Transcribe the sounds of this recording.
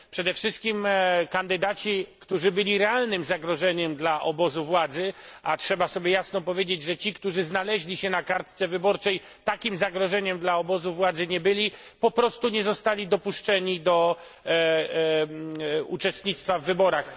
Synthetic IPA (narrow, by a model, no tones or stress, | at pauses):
pʂɛd̪ɛfʂɘst̪̚kʲimkand̪ɘd̪at͡ɕikt̪uʐɘbɘlʲiɾɛalnɘmzaɡɾɔʐɛɲɛmd̪laʔɔbɔzuvwad̪zɘʔatʂɛbasɔbʲjɛjasnɔpɔvʲjed͡ʑed͡ʑʐɛt͡ɕikt̪uʐɘznalɛʑlʲiɕɛnakaɾt̪t̪sɛvɘbɔɾt͡ʂɛj | t̪akʲimzaɡɾɔʐɛɲɛmd̪laɔbɔzuvwad̪zɘɲɛbɘlʲi | pɔpɾɔst̪uɲɛzɔst̪alʲid̪ɔpuʂt͡ʂɛɲid̪ɔ | ṵt͡ʂɛst̪ɲʲit̪st̪favːɘbɔɾax